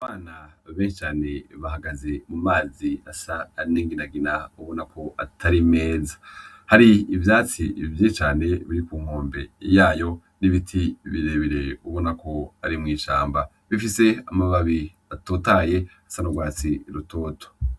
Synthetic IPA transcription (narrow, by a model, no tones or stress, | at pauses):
aβaːnaβeːʃit͡ʃaːne̞βahaɡaze̞mumaːziasaːniːŋɡinaɡinauβonakʰo̞ʔatʰaɾime̞ːzḁ | haɾiːvjaːt͡sivjiːt͡ʃaːne̞βiɾikuːmoːmbe̞̰jaːjo̞ | niβitʰiβiɾeβiɾe̞uβo̞nako̞aɾimŋiːʃaːmba | βifise̞amaβaβi | atoːtaje̞asanoɡwaːt͡siɾuto̞ːto̥